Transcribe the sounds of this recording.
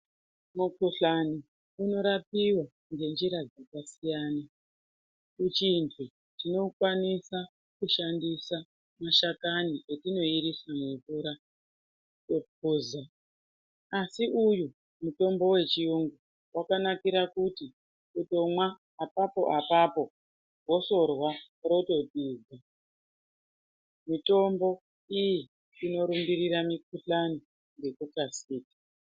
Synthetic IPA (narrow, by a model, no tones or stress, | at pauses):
mukuɬani | uno̞ɾap̚iwa | ŋɡe̞nd͡ʒiɾad͡zakasijaːna | kut͡ʃintʰu | tino̞kwanisa | kuʃandisa | maʃakaniʔetino̞iɾisamuvuːɾa | topuza | asiʔuju | muto̞mbo̞we̞t͡ʃijuŋɡu | wakanakiɾakuti | uto̞mwaː | papo̞̰ʔapapo̞ | ɡʱo̞so̞rwa | ro̞to̞tiza | mito̞mbo̞ | iji | ino̞ɾumbiɾiɾamik̚uɬano | ŋɡe̞kukasiːkḁ